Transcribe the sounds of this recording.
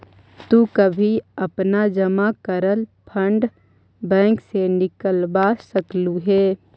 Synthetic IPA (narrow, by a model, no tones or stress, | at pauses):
t̪uːkəbʱiɐpnad͡ʒəmakəɾəlpʰə̃ɳɖ | bɛ̃ːŋksenɪkəlbasəkluɦɛː